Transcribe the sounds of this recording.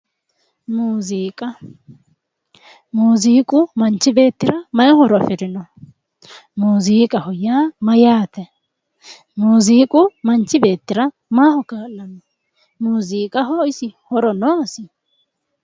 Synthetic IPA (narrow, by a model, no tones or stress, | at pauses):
muːziːkʼɐ | muːziːkʼʊmɐnt͡ʃːɪbe̞ːt̪ːɪɾɐmɐjɔhɔɾɔfɪɾɪnɔ | muːziːkʼɐhɔjaːmɐjaːt̪ɛ | muːziːkʼʊmɐnt͡ʃːɪbe̞ːt̪ːɪɾɐ | maːhɔkaːlːɐnːɔ | muːziːkʼɐɦɔɪsɪhɔɾɔnɔɐsɪ